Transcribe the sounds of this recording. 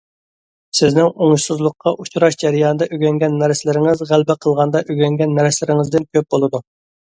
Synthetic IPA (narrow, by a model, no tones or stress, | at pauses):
sɪznɪŋoŋʃsɨzlˠʊqʰːɑʔut͡ʃʰuɾɑʃd͡ʒɛɾijɑːnɨd̪ɑʔyɡʲɛŋɡʲɛnːɛɾslɪɾɪŋɪzʁælbɛqʰəlˠʁɑnd̪ɑʔøɡʲɛŋɡʲɛnːɛɾslɪɾɪŋɪzd̪ɪnkʲʰøp̚bolˠɨd̪u